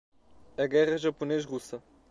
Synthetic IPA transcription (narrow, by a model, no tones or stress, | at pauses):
ɐɣɛʁɐʒɐpuneʃʁusɐ